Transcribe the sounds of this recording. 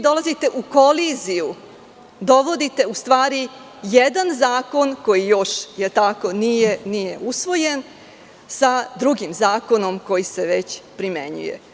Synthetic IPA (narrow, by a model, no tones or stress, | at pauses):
d̪o̞lˠazit̪e̞ʔuko̞liziju | d̪o̞ʋo̞d̪it̪e̞ust̪ʋaːɾi | jed̪anzaːko̞nko̞jijo̞ʃjet̪ako̞nijenije̞ʔusʋo̞je̞n | sad̪ɾuɡimzaːko̞no̞mko̞jise̞ʋet͡ɕpɾime̞̰ɲṵjḛ